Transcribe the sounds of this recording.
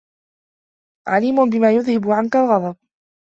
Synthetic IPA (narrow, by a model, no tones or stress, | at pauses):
ʕaliːmʊnbɪmaːjʊðhɪbʊʕankalɣɑd̪ˤɑb̚